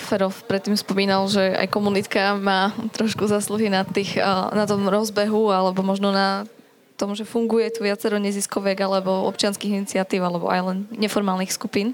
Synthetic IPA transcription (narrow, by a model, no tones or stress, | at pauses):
fɛɾɔfpɾɛt̪ːiːmspɔmiːnalʒɛa̰jkɔmunit̪kamaːt̪ɾɔʃkuzaːsluɦinat̪ːiːxnat̪ɔmɾɔzbɛɦualɛbɔmɔʒnɔna | t̪ɔmʒɛfuŋɡujɛt̪uʋɪat͡sɛɾɔɲɛziskɔʋɪɛɡalɛbɔɔ̰pt͡ʃɪanskiɣinit͡sɪat̪iːʊalɛbɔ̰a̰jlɛnɲɛfɔɾmaːlˠnixskupiːn